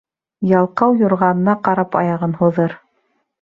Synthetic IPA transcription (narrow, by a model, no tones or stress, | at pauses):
jɑlˠqɑwjŏɾʁɑnɤ̆nɑqɑɾɑpɑjɑʁɤnhuðɤɾ